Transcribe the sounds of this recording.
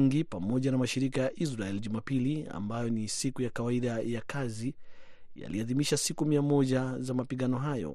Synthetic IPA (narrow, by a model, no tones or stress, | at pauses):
ŋɡipamɔʄanamaʃiɾikajaʔisɾaɛliʄumapilia̰mbajɔnisikujakawaiɗajakʰazi | ja̰liaðimiʃasikumiamɔʄazamapiɠanɔɦajɔ̰